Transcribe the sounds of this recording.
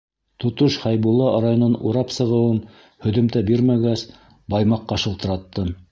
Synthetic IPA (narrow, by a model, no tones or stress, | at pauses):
t̪ŏt̪oʃhɑjbulˠːɑɾajŏnonṵɾɑpsɤ̆ʁɤ̆wɤm | hɵ̆ðɵ̆mt̪æbiɾmæɡæs | bɑjmɑqːɑʃɤ̆lˠt̪ɤ̆ɾɑt̪ːɤ